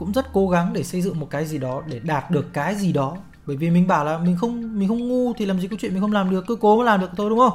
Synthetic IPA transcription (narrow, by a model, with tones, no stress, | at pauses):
kʊ̰˧˥ŋ͡mzə˦˥t̚ko˨˦ɣa˨˦ŋɗe˧˩sə˧jzɨ̰˧˨ŋmo˨˩kaː˨˦jzi˨˩ɗɔ˨˦ɗe˧˩ɗaː˨˩t̚ɗɨ˨˩əkːaː˨˦jzi˨˩ɗɔ˨˦ | ɓəː˧˩˨jvi˨˩mï˨˩ŋ̟ɓaː˧˩wlaː˨˩mï˨˩ŋ̟xə˧wŋ͡mmi̟˨˩xə˧wŋ͡mŋu˧t̪ʰi˨˩laː˨˩mzi˨˩kːt͡ɕwḭ˧˨mi˨˩xŋ͡mlaː˨˩mɗɨ˨˩əkːɨ˧˦ko˨˦məː˨˦laː˨˩mɗɨ˨˩əkt̪ʰːɗʊ˨˦ŋ͡mxə˧wŋ͡m